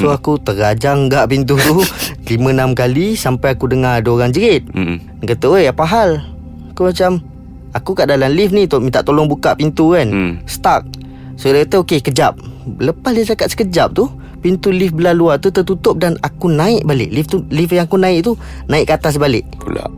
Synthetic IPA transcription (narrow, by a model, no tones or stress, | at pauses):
soakut̪əɾad͡ʒaŋɡaʔpint̪ut̪ulimə̃namkalisampajakudəŋaduoɾaŋd͡ʒəɾɪt̪̚ | nkət̪əəjapaɦal | akumat͡ʃam | akukaʔdalamlifnit̪omit̪aʔt̪olɔŋbukaʔpint̪ukanst̪ak̚ | sodat̪əokekəd͡ʒap̚ləpasdit͡ʃakat̪sə̥kəd͡ʒap̚t̪u | pint̪ulifbəlaluat̪ut̪ət̪ut̪ʊp̚danakunãɪʔbalɪ̰ʔlift̪ulifjaŋakunaɪʔt̪u | nãɪʔkat̪as̬balɪ̰ʔpṵla̰ʔ